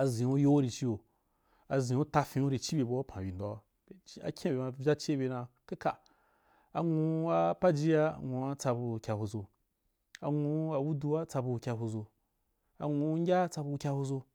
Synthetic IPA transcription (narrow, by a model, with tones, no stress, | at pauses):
a˨zĩ˨u˦jo˦wo˦ɾi˧t͡ʃi˦o˨ | a˨zĩ˨wo˦ta˧fĩ˧u˦ɾi˨t͡ʃi˦bʲe˧bu˦o˦pʰã˨bi˨n˨do˦a˨˦ | a̰˨kʲʰã˦bʲe˨ma˧vʲa˦t͡ʃe˦be˧na˧ | ka˦ka˨ | a˨ŋũ˧a˦pa˦d͡ʒi˦a˦ŋo˧a˦t͡sa˧bu˧˨kʲa˧hu˧zo˧ | a̰˨ŋu˧˦a˧wu˦du˧wa˦t͡sa˧bu˧˨kʲa˧ɦu˧zo˧ | a̰˨ŋũ˧˦ŋ˦ɡʲa˦t͡sa˧bu˧kʲa˧ho˧zo˧